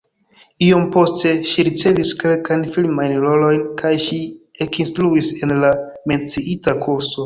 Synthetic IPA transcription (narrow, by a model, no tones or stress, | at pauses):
io̞mpo̞ste̞ʃiɾit͡se̞viske̞lkajnfilmajnɾo̞lo̞jnkʰajʃiekinstɾuise̞nlame̞nt͡siʔitakʰuɾso̞